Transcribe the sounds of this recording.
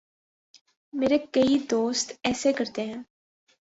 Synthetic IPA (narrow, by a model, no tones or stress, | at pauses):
meːɾekɐid̪oːst̪ɛːsekɐɾt̪eɦɛ̃ː